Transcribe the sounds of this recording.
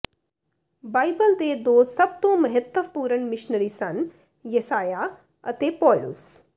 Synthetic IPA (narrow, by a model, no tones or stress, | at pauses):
baːjbəlt̪eːd̪oːsɐb̚t̪õːmɐɦɐt̪ːəʋpuːɾənmɪʃnəɾiːsɐn | jɐsaːja | ɐ̰t̪eːpɔːlṵs